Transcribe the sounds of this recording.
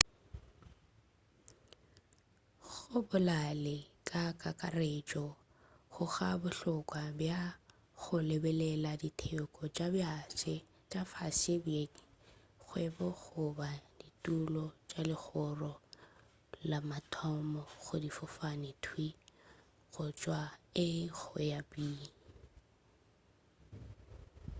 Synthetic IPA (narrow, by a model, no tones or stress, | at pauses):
χʊbʊlalɪkʼakʼakʼaret͡ʃʼɔ | ɣʊχabʊɬʊkʼwabja | ɣʊlebɛlɛladitʰekʼɔt͡ʃʼabjasɛ | t͡ʃʼafasebjeŋ̩ | ɣwɛbɔɣʊbaditʼulɔt͡ʃʼalɪɣʊrɔ | lamatʰɔmɔɣʊdifʊfanɪtʰwi | ɣʊt͡ʃʼwaɪɣʊjabiː